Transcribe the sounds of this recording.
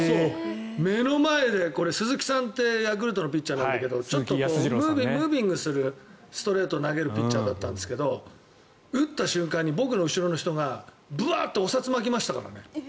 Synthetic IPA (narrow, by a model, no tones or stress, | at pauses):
so | me̞no̞mae̞d̪e̞ko̞ɾe̞sɨzɨkʲi̥sãnt̪ːe̞jak̬ɯɾɯ̟t̪o̞no̞pʲit̚ːt͡ɕaːnãnd̪ake̞d̪o̞t͡ɕotomɯːbimɯ̟ːbʲĩŋɡɯsɨɾɯ̟ | sɨ̥t̪o̞ɾe̞ːt̪oːnaɡe̞ɾɯ̟pʲit͡ɕːaːd̪at̪ːãnd̪e̞sɨ̥ke̞d̪o̞ | ɯ̟t̪ːaɕɨ̃ŋkãɲ̟ːibo̞kɯ̟no̞ɯ̟ɕiɾo̞no̞çi̥t̪o̞ɡa | bɯ̟a̰ːt̪ːeosat͡sɨmakʲimaɕi̥t̪aka̰ɾa̰ne̞